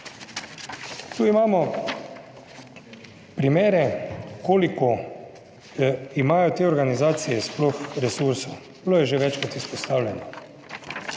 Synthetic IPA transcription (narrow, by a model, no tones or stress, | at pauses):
t̪uːimaːmɔ | pɾimeːɾɛkoːlikɔ | imaːjɔt̪eːɔɾɡanizaːt̪sijɛsploxɾɛsuɾsow | bloːjɛʒeʋɛt͡ʃkat̪ispɔst̪aːwlʲjɛnɔ